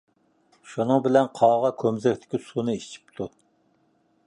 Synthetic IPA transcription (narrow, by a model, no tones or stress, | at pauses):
ʃunɨŋbɪlɛnqʰɑːʁɑkʲʰømzɛkʲt̪ʰɪ̥kʲisunɨiʃt͡ʃʰi̥p̚t̪ʰu